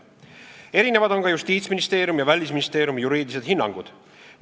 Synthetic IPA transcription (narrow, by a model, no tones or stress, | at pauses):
e̞ɾine̞vɑd̪o̞ŋkɑjust̪iːt̪sminist̪e̞ːɾjumjɑvælʲis̬minist̪e̞ːɾjumijuɾiːd̪̥ise̞d̪̥ɦinːɑŋɡ̥ud̪̥